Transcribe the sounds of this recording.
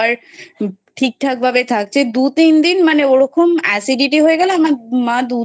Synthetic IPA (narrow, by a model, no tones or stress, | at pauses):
aɾ | ʈʰik̚ʈ̪ʰak̚bʱabet̪ʰak̚t͡ɕʰed̪ut̪ind̪inmaneoɽɔkʰomɛsiɖiʈiɦoeɡɛloamamad̪u